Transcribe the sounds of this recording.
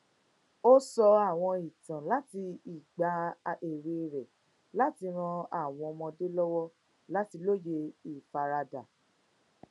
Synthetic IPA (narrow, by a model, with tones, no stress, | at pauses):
o˦sɔ˧a˦˨w̃ɔ̃˧i˨tã˨la˦ti˧i˨ɡ͡ba˨˦e˨ɾe˧˨ɾɛ˨ | la˦ti˧ɾ̃ɔ̃˧a˨w̃ɔ̃˧mɔ̃˧de˦lɔ˦wɔ˦ | la˦ti˧lo˦˨je˧i˨fa˨ɾa˧da˨